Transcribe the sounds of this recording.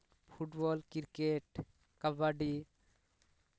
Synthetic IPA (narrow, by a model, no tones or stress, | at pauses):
pʰuʈbɔlkiɾkeʈ | kabaɖi